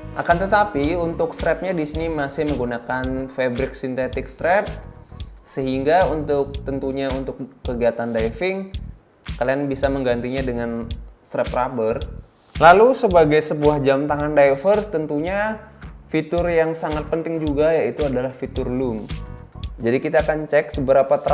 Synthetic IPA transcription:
ʔakant̪ət̪apiunt̪ʊkst̪ɾɛp̚ɲadisinimasɪhməŋɡunakanfebɾɪk̚sint̪et̪ɪkst̪ɾɛp̚ | səɦiŋɡaunt̪ʊk̚t̪ənt̪uɲaunt̪ʊk̚ːəɡiat̪andajfɪŋ | kalianbisaməŋɡant̪iɲadəŋanst̪ɾɛp̚rabər | lalusəbaɡajsəbuahd͡ʒamt̪aŋandajfərst̪ənt̪uɲa | fit̪ʊrjaŋsaŋat̪̚pənt̪ɪŋd͡ʒuɡajait̪uadalahfit̪ʊrlum | d͡ʒadikit̪aːkant͡ʃɛk̚səbəɾapat̪ɾ

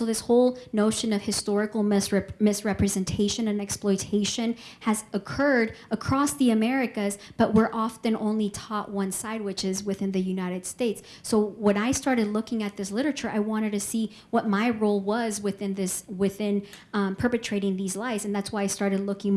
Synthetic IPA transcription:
soʊðɪshoʊlˠnoʊʃɨ̃nʌv̥hɨstɔɹɨkl̩ˠsmɪsɹɛpɹɨzɨ̃ntʰeɪʃɨ̃nɨ̃nɛksplɔɪtʰeɪʃɨ̃nɨzəkʰɜ˞ɾəkʰɹ̥ɔsðiɨmɛɹɨkɨzb̥ʌʔ̚wəɹʔɑfɨ̃nʔõ̰ʊ̃nlitʰɔʔ̚wʌ̃nsaɪd̚wɨt͡ʃɨzwɨθɪ̃nðɨjʉnaɪɾɨd̥steɪtsːoʊwə̃naɪstɑɹɾɨdˡlʊkɪ̃ŋɨt̪̚ðɪslɪɾə˞ɨt͡ʃə˞ʔa̰ɪwɑ̃ɾ̃ɨd̚tɨsi | wʌt̚maɪɹoʊlˠwʌzwɨθɪ̃nðɪswɪθɪ̃n | pʰɜ˞pɨtʰɹ̥eɪɾɪ̃ŋðizlaɪzɨ̃n̩ðætswaɪaɪstɑɹɾɨdˡlʊkɪ̃ŋ

